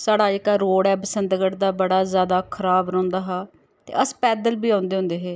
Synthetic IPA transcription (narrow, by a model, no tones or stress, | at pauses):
saːɽaːɪkaːɾoːɽɛːbəsənd̪ɡəʈd̪aːbəɽaːzjaːd̪aːkʰəɾaːbɾɔ̃ːnd̪aːɦaː | t̪ḛːʔəspɛːd̪əlbiːãːnd̪eːʊ̃nd̪eːɦeː